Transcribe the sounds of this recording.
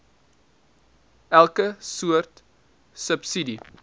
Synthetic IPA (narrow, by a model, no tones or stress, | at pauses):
ælˠkəsuərt | səpsidi